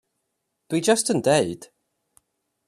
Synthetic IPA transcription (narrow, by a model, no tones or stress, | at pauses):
d̥wid͡ʒəstə̃ndeɨd̥